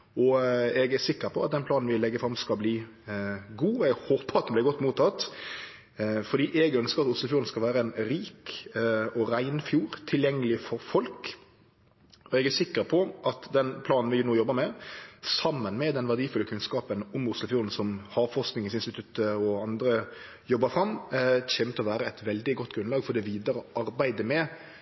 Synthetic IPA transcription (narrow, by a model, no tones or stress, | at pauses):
ɔɛɡæsɪkːəpʰɔɑt̪̚d̪ɛnplɑːnn̩ʋɪlɛɡːəfɾɑmskɑlbliː | ɡuːɔɛɡhoːpəʁɑt̪̚d̪nblæɪɡɔt̪ːmuːt̪ʰːɑt̪ | fɔd̪iːʔɛɡœnskəɾɑt̪ʊsləfjuːɾn̩skɑlʋæːɾəɛnɾiːk | ɔɾæɪnfjuːɾt̪ʰɪljɛŋːəlɪfɔɾfɔlk | ɔɛɡæsɪkːəpʰɔʔɑt̪d̪ɛnpʰlɑːnn̩ʋɪnuːjɔbːəmɛsɑmːənmɛd̪ɛnʋæɖ̪iːfʉlːəkʰʉnskɑːpənʊmʊslʊfjuːɾn̩sɔmhɑfɔʁsknɪŋəsɪnst̪ɪt̪ʰʉt̪əɔɑnd̪ɾə | jɔbːəfɾɑmçɛːmt̪ʰɔʋæːɾəɛɪt̪ʋɛld̪ɪɡɔt̪ːɡɾʉnlɑːɡfɔd̪ɛʋiːd̪əɾəɑɾbæɪd̪əmɛ